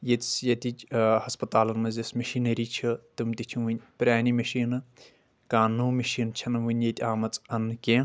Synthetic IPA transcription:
jet̪sjɐt̪ʲit͡ʃhɐspɐt̪aːlɐnmɐzʲismɐʃiːnɐɾiːt͡ʃʰit̪ɨmt̪it͡ʃʰĩʋɨnʲpɾʲaːnimɐʃiːnɨ | kaːnːuːmiʃiːnt͡ʃʰɐnɨʋɨnʲjet̪ʰʲaːmɐt͡sʼɐnːkʲẽː

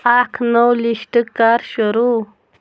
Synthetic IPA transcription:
akʰnowliʃʈəkaɾʃuɾu

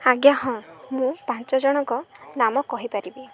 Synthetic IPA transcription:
aɡjaɦɔ̃mũpãnt͡ʃɔd͡ʒɔɽ̃ɔŋkɔnamɔkɔɦipaɾibi

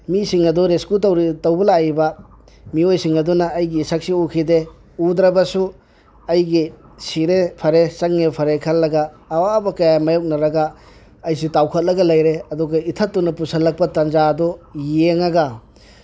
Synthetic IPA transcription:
misiŋɐduɾeskutɐwɾitɐwbɐlaibɐ | miojsiŋɐdunɐːjɡisak̚siukʰide | ud̪ɾɐbɐsu | ɐjɡi | siɾepʰɐɾesɐŋnepʰɐɾekʰɐlːɐɡɐː | wabɐkɐjamɐjowk̚nɐɾɐɡaː | jsutawkʰɐt̚lɐɡɐlɐjɾeɐduɡɐitʰɐtːunːɐpusɐlːɐk̚pɐtɐnd͡ʒadɔjeŋɐɡɐ

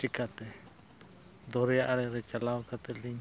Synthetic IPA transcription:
t͡ʃikat̪e | d̪oɾeaʔaɾeɾet͡ʃalaokat̪eliɲ

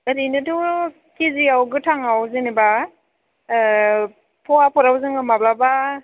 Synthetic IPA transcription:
ɯɾinɯdɔ | kiziawɡɯtʰaŋawzɯniba | pʰɔapʰɔɾawzɯŋɯmablaba

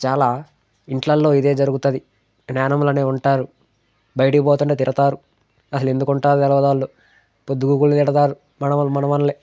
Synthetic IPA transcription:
t͡ʃaːlaː | iɳʈlɐlːo̞ːid̪e̞ːd͡ʒɐɾuɡut̪ɐd̪i | ɡnaːnɐmlɐːneːuɳʈaːɾu | bɐjɐʈiboːt̪̬uɳʈeːt̪iɾɐt̪aːɾu | ɐsɐle̞nd̪ukuɳʈaːɾud̪ɛlɐʋɐd̪aːlːo | pod̪ːuɡuːkulːt̪iɽɐt̪aːɾu | mɐnɐɐmɐnɐmɐnle

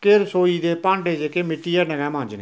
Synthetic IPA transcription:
keɾsoːiːd̪eːpãːɳɖeːd͡ʒeːkeːmɪʈːiːɛːnəɡɛ̃ːmãːɲd͡ʒneː

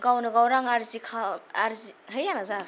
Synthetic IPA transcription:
ɡawnɯɡawɾaŋaɾzikʰaaɾzihəjjanaza

